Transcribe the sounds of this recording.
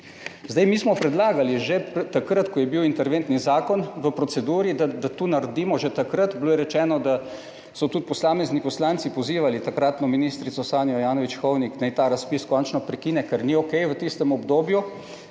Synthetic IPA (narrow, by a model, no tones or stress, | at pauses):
zd̪ajmiːsmɔpɾɛd̪laːɡaliʒet̪akɾət̪kɔjɛbiwint̪ɛɾʋeːnt̪nizaːkɔnʋəpɾɔt̪sɛd̪uːɾid̪ad̪at̪unaɾd̪iːmɔʒet̪akɾət̪bloːjɛɾɛt͡ʃɛːnɔd̪a | sɔt̪ut̪̚pɔslaːmɛznipɔslaːnt̪sipɔziːʋalit̪akɾaːt̪nɔminiːst̪ɾit̪sɔsaːnjɔjaːnɔʋit͡ʃxɔwniknajt̪aːɾaspiskɔnt͡ʃnɔpɾɛkiːnɛkɛɾniɔkɛjʋət̪ist̪ɛmɔbd̪oːbju